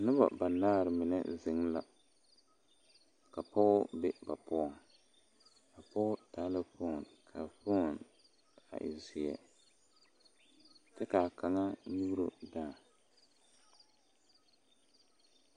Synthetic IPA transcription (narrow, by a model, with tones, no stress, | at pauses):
nʊ˦ba̰˨ba˨na˦ɣɾɪ˨mɪ˨nɛ̰˦zɪ˨ŋla̰˨ | ka˨pɔ˦ʔʊ˦bɛ˦ba˨pʊ˦ɔ˨ŋ | ka˨pɔ˦ʊ˦taː˨˦lɪ˦fo˦˨nkʰa˨fʊ˦˨n | a̰˨ʔɪ̰˨zi˨jɛ̰˨ | tɪ˦kaː˨ka˨ŋa˦nu˦ɾu˨daː˦˨